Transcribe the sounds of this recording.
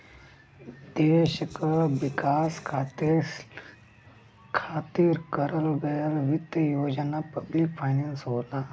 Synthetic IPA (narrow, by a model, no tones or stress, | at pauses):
d̪eːʃəkʋɪkaːskʰaːt̪ | kʰaːt̪iɾkəɾəlbeːlʋɪt̪əjoːd͡ʒənapɐblikpʰaːjneːnsɦoːt̪aː